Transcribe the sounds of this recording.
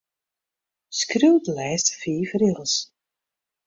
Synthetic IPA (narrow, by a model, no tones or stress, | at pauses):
skrøwdlɛːstfiːfrɪlˠs